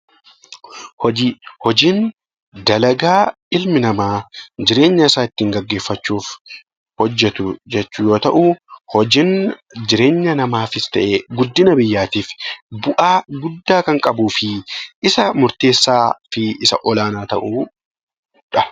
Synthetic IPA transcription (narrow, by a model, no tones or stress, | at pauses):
hɔd͡ʒihɔd͡ʒiːn | d̪ɐlɐɡaː | ɪlmɪnɐmaːd͡ʒɪɾe̞ːɲːɐɪsaːɪt̪ːiːŋɡɐɡːe̞ːfːɐt͡ʃːuːf | hɔd͡ʒːɛt̪ʊd͡ʒɛt͡ʃːʊjo̞ːt̪ɐʔuhɔd͡ʒɪnd͡ʒɪɾe̞ːɲːɐnɐmaːfɪst̪ɐʔeːɡʊd̪ːɪnɐbɪjːaːt̪iːfbʊʔaːɡʊd̪ːaːkɐŋkʼɐbuːfɪɪsɐmʊɾt̪e̞ːsːaːfɪɪsɐʔɔlaːnaːt̪ɐʔu | ᶑɐ